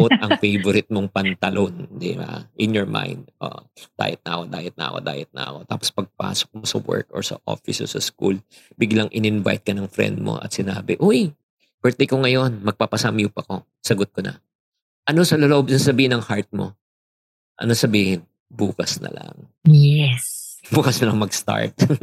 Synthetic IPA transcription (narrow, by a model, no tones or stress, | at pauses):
ot̚ɐŋfejvoɾɪt̪̚moŋpɐnt̪ɐlʔond̪ɪa̰ʔɪnjɔɹma̰jnd̪̚ʔo̰d̪̥a̰ːjɪt̪̚nɐʔɐkod̪a̰ːjɛt̪nɐ̰ʔɐ̰ko̰d̪a̰ːjɐt̪̚nɐ̰ʔɐ̰ko̞t̪a̰ːpospɐɡ̚pa̰ːsok̚mosɐwɛ̰ɹk̚ɔɹsɐ̰ʔo̰fɪsɛ̰sɐskul | bɪɡlɐŋʔɪnɪnva̰jt̪̚kɐnɐŋfɾɛ̰nd̪̚mo̰ʔɐ̰t̪̚sɪnaːbɪʔoj | pɛɹt̪ɛjkoŋɐjo̞nmɐɡ̚papɐsamjuːpɐko̞ | sɐɡot̪̚konɐ̰ | ʔɐno̞sɐloloʔob̚sɐsɐbiːhɪnːɐŋhaɹt̪̚mo̞̰ | ʔɐ̰nosɐbiːhɪn | buːkɐsnɐ̰lɐ̰ŋ | jɛsbuːkɐsnɐlɐŋmɐɡst̪a̰ɹt̪̚